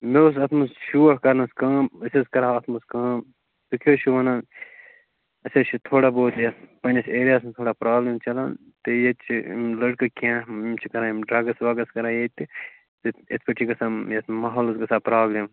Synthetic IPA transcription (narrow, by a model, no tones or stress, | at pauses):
meosɐt̪ʰmɐsʃuːɐɦkɐɾnɐskɐːmɐsɐskɐɾaːɐt̪ʰmɐskɐːm | t̪ukʰoːt͡ʃʰuʋɐnaːn | ɐsɐt͡ʃʰit̪ʰoːɽaboːt̪japɐnʲɐseːɾijaːst̪ʰoːɽaːpɾaːbleːmt͡ʃɐlaːn | t̪ejet͡ʃʰimlɐɽkɐkiãmt͡ʃʰikɐɾãːmɖɾɐːɡɐsʋaːɡɐskɐɾãːjet̪i | t̪eet̪ʰpɐʈʰiɡɐsaːmjet̪ʰmaːɦoːlɐsɡɐsaːpɾaːblem